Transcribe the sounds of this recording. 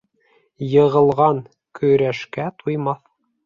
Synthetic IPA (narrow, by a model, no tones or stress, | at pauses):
jɤ̆ʁɤ̆lˠʁɑŋ | kɵ̆jɾæʃkæt̪ʰujmɑθ